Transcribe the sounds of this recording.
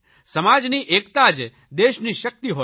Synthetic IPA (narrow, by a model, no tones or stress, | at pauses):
səmad͡ʒniʔekt̪ad͡ʒ | d̪eʃniʃək̚t̪iɦo